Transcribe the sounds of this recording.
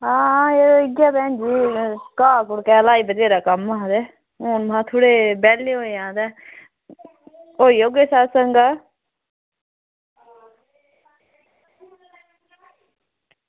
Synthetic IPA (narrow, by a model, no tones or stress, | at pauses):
ãːeːɾoɪɡjaːpɛ̃ːnd͡ʒiːkaːkʊɽkɛːlaːiːbət̪eːɾaːkəmaːd̪ɛ | oːnmãːt̪ʰoːɽeːbɛːleɦoːeãːd̪ɛː | oːiːoːɡeːsaːsəŋɡaː